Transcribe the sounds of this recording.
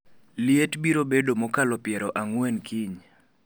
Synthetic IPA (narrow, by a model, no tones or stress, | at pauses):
lɪetbiɾobedomɔkalɔpɪɛɾɔʔaŋwɛnkʰiɲ